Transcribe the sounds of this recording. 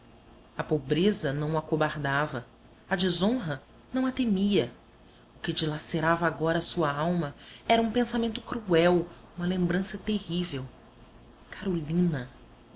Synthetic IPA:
ɐpobɾezɐnɐ̃w̃akobaɾd̪avɐ | ɐd͡ʒizõɦɐ | nɐ̃w̃ɐt̪emiɐ | ʊkɪd͡ʒilaseɾavaɡɔɾɐːsuɐawmɐɛɾɐũpẽsamẽnt̪ʊ̥kɾuɛw | ũmɐlẽmbɾɐ̃sɐt̪ehivew | kʰaɾolĩnɐ

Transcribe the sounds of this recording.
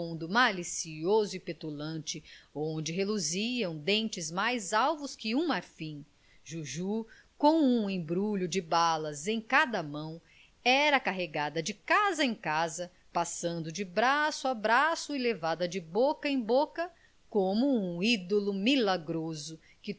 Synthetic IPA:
ũd̪ʊmalisiozʊipet̪ulɐ̃nt͡ʃɪõnd͡ʒɪɦeluziɐ̃w̃d̪ẽnt͡ʃɪzmajzawvʊskɪũmaɾfĩ | ʒuʒu | kõw̃ũẽbɾuʎʊd͡ʒɪbalɐzẽj̃kad̪ɐmɐ̃w̃ | ɛɾɐakaɦeɡad̪ɐd͡ʒɪkazɐẽkazɐ | pasɐ̃nd̪ʊd͡ʒɪbɾasʊabɾasʊilevad̪ɐd͡ʒɪbokɐẽj̃bokɐ | kõmʊũid̪olʊmilaɡɾozʊ | kɪ

